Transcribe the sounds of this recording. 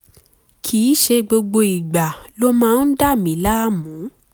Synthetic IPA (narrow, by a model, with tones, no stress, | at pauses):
kʰiː˨˦ʃe˧ɡ͡bo˧ɡ͡bo˧i˨ɡ͡ba˨lo˦mãː˦˧n̩˦da˦˨mĩ˨˦la˦a˦mũ˨˦